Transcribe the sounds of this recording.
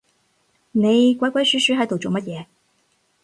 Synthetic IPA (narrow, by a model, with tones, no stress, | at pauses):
ne˨˧jkʷa˨˥jkʷa˧˥jsy˨˥ʃyː˨˥ɦɐ˨˥jt̪o˨˩wt͡so˨˩mɐ˥t̚jɛː˨˧